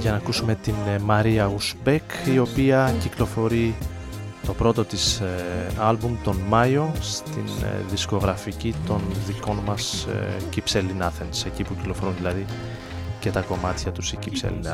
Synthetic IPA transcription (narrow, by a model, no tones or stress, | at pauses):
ʝɐnɐːkusume̞t̪inmɐɾiɐusbekio̞piɐciklo̞fo̞ɾi | t̪o̞pɾo̞t̪o̞t̪is | ɐlbumt̪o̞nmɐjo̞st̪inðisko̞ɣɾɐficit̪o̞nðiko̞nmɐscipse̞linɐθense̞cipuci̥klo̞fo̞ɾunðilɐði | ce̞t̪ɐko̞mɐt̪çɐt̪usicipsḛlḭnɐ